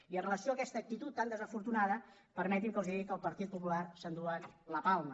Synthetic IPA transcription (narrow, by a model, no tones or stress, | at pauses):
iənrələsioəkɛst̪ək̚t̪it̪ut̪ːand̪əzəfuɾt̪unaðə | pəɾmɛt̪imkəlziikəlˠpəɾt̪it̪̚pupularsənd̪ualəpalˠmə